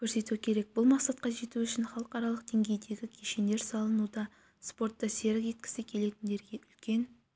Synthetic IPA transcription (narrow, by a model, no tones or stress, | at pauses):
kʲʰɵɾse̞t̪ukʲʰe̞ɾe̞k̚bʊlˠmɑqsɑt̪̚qɑʒe̞t̪uʏʃɪnχɑlˠəqɑɾɑlˠəqd̪̥e̞ŋɡʲe̞jd̪e̞ɡʲɪkʲʰeʃend̪e̞ɾsɑlˠənud̪ɑ | spo̞rt̪ːɑse̞ɾkʒe̞t̪̚kʲɪ̥sɪkʲʰe̞le̞t̪ɪnd̪e̞ɾɡʲe̞ʔʏlkʲe̞n